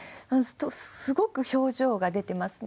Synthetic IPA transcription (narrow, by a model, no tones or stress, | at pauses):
st̪ossɨɡo̞kɯ̟ço̞ːʑo̞ːɡad̪e̞t̪e̞masɨ̥